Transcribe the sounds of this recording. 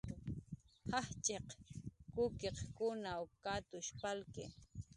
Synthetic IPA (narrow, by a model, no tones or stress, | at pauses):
haht͡ʃʼeqkʊkeqkʊnawkat̪ʊʃpalkɪ